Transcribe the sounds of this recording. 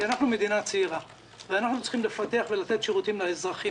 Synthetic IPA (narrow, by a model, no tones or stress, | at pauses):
anaχnume̞d̪inat͡seiʁa | veanaχnut͡s̪i̥χimle̞fat̪e̞aχve̞lat̪e̞t̪ʃeʁut̪imlaezʁaχi